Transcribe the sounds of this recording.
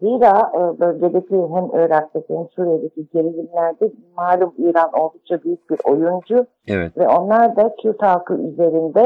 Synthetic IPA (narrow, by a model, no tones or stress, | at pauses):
ziɾabølʲɟe̞d̪ecʰiɦæmøːɾækt̪ːet̪ʰɛmsuːɾijed̪ecʰiɟe̞ɾilʲimlʲæɾd̪ɛmaːlʲumiːɾano̞lˠd̪uk̚t͡ʃʰabyjyc̚biɾo̞jund͡ʒu | ɛvɛo̞nlˠaɾd̪acʰyɾt̪alkʰɯʔy̰ze̞ɾind̪ɛ